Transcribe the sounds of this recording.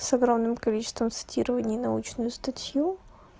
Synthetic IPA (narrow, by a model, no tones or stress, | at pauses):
sɐɡɾomnɨmkɐlʲit͡ɕɪ̥st̪vəmt̪sɨ̥tʲiɾəvənʲɪjnɐut͡ɕnʊjʊst̪ɐtʲju